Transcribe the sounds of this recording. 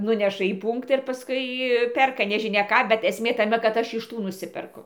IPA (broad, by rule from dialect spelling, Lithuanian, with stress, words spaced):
ˈnʊnʲɛʃɐ iː ˈpuːŋktɑː ɪr pɐsˈkʊɪ ˈpʲɛrkɐ nʲɛʒʲɪˈnʲɛ ˈkɑː bʲɛt ɛsʲˈmʲeː tɐˈmʲɛ kɐt ˈɐʃ ɪʃ ˈtuː nʊˈsʲɪpʲɛrkʊ